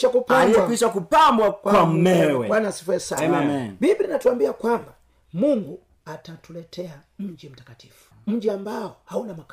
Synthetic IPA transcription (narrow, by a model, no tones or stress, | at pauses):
ʃakupaamakiʃakupambwakwwam̩mɛwɛwanasifɛsamnbibininatuambiakwamba | muŋɡu | atatulɛtʰɛa | m̩d͡ʒim̩takati̥fu̥ | m̩d͡ʒiambaɔhaunamak